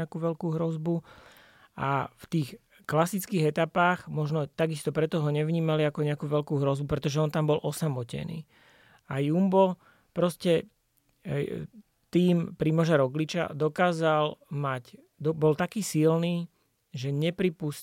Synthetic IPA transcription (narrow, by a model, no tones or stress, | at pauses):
akuːʋɛlkuːɦɾɔzbu | ʔaft̪iːx | klasit͡skiːɣɛt̪apaːɣmɔʒnɔt̪aɡist̪ɔpɾɛt̪ɔɦɔɲɛʋɲiːmaliakɔɲɛakuːʋɛlkuːɦɾɔzbupɾɛt̪ɔʒɛɔnt̪ambɔlʔɔsamɔcɛ̰nḭː | ajumbɔ | pɾɔscɛ | t̪iːmpɾimɔʒaɾɔɡlit͡ʃa̰d̪ɔkaːzalmac | d̪ɔbɔlt̪akiːsilniː | ʒɛɲɛpɾipus